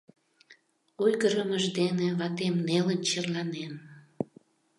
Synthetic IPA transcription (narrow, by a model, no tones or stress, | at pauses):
ojɣəɾəməʒd̪eneβɑt̪emnelənt͡ɕerlɑnen